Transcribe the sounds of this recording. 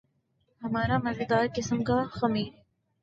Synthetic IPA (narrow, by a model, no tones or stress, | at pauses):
hɐmaːɾamɐzəd̪aːɾkɪsəmkaxɐmiːɾ